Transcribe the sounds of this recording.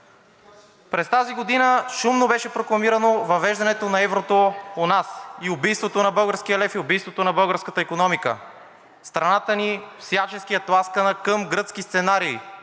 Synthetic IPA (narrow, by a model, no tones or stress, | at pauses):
pɾɛst̪aziɡod̪inəʃumnobɛʃɛpɾoklˠɐmiɾənovɐvɛʒd̪ɐnɛt̪onɐɛvɾot̪oonasiʊbijst̪vot̪onɐbɤlˠɡəɾskiəlɛfiʊbijst̪vot̪onɐbɤɡəɾskət̪əikonɔmikə̰ | st̪ɾɐnat̪ənifsjat͡ʃɛskijət̪lˠaskənəkəmɡɾɤt̪skist̪sɛnaɾiː